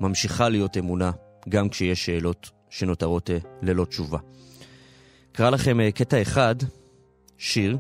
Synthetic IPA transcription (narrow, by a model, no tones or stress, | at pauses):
mamʃiχalijo̞te̞muna | ɡamkʃejeʃe̞ːlo̞t | ʃe̞no̞taʁo̞tle̞lo̞t͡ʃuva | kaʁalaχe̞meketae̞χad | ʃiʁ